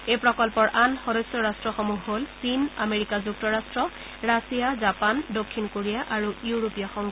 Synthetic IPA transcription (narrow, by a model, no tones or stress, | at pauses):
ejpɹɔkɔlpɔɹʔanxɔdɔsɔɹastɹɔxɔmuɦɦolsinameɹikazuk̚tɔɹastɹɔ | ɹasijazapandokʰːinkoɹijaʔaɹujuɹopijaxɔŋ